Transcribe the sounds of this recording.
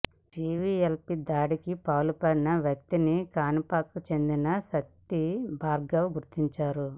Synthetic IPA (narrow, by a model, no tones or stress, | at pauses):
d͡ʒiːʋielpid̪aːɽikipaːlupɐɾinɐʋjɐk̚t̪inikaːnipaːkːut͡ʃe̞nd̪inɐsɐt̪ːibʱaːɾɡɐʋɡuɾt̪iɲt͡ʃaːɾu